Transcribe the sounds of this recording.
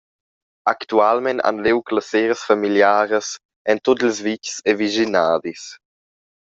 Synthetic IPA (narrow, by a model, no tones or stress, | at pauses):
akt̪ualmɛna̰nlewklaseɾəsfamiljaːɾəs | ɛnt̪ot̪lzvicsɛviʒinaːd̪is